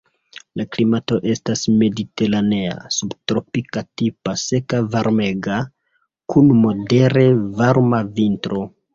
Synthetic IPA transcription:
laklimato̞ʔe̞stasme̞dite̞ɾane̞a̰subtɾo̞pikatipase̞kavaɾme̞ɡa | kʰunmo̞de̞ɾe̞vaɾmavintɾo̞

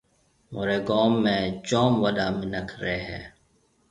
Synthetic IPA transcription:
moːɾeːɡoːmːẽːt͡ʃoːmʋəɗ̪aːmɪnəkʰɾeːɦɛ̰ː

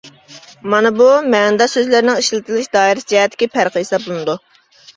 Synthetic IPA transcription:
mɑnɨbumɛnd̪ɑsøzlɪɾɪnɪŋiʃlɪt̪ʰɪlˠɪʃd̪ɑːiɾɪsd͡ʒɛɦɛt̪ʰːɪ̥kʲipʰæɾqʰəesɑp̚bolˠɨnɨd̪u

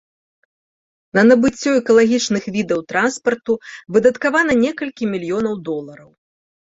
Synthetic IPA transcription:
nɐnɐbɨt͡sʲːɔɛkɐlˠaɣʲit͡ʂnɨxvʲid̪ɐwt̪ɾanspɐrt̪uvɨd̪ɐt̪kavan̪ɐnʲɛkɐlʲkʲimʲilʲjɔnɐwd̪ɔlˠɐɾɐw

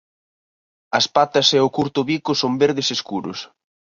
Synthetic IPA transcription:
ɐspat̪ɐsɛʊkuɾt̪ʊβikʊsombeɾðeseskuɾʊ̰s

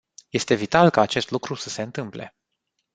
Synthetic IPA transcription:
je̞st̪e̞vit̪alkaːt͡ʃe̞st̪lukɾusəse̞ɨnt̪ɨmple̞̰

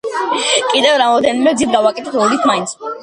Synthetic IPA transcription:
kʼid̪ɛvɾamɔd̪ɛnimɛzit̪̚ɡavakʼɛt̪ʰɛt̪ʰɾɔlit̪ʰmaint̪sʰ

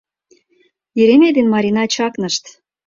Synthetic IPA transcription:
jeɾemed̪enmɑɾʲinɑt͡ɕɑknɤʃt̪

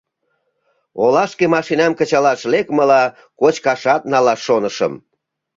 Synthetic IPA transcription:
olɑʃkemɑʃinɑmkət͡ɕɑlɑʃlekməlɑ | kot͡ɕkɑʃɑt̪̚nɑlɑʃːonəʃə̰m

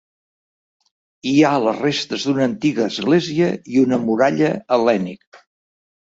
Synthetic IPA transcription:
ialərest̪əzd̪unəːnt̪iɣəːzɣleziəiunəmuɾaʎəːlɛnik̚

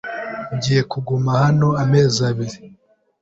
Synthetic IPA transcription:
ɟiːje̞kuɡumahano̞ame̞ːzaβiɾi

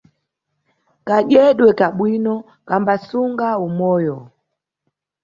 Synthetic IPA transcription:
kaʄɛɗwɛkaɓwinɔ | kambasuŋɡaumɔjɔ

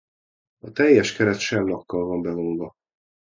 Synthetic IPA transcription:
ɒt̪ɛjːɛʃkɛɾɛt̪ʃɛmlɒkːɒlvɒmbɛvoŋvɒ

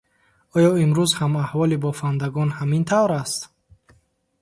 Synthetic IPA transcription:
ɔjɔimɾuzhamahvɔlibɔfand̪aɡɔnhamint̪ʰavɾast̪

